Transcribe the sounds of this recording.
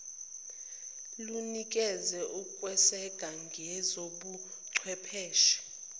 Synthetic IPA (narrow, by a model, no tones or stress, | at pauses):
lunikʼɛzɛʔukʼwɛsɛɡ̥ʱaŋɡʱɛzoɓu | ǀʰwɛpʰɛːʃi̥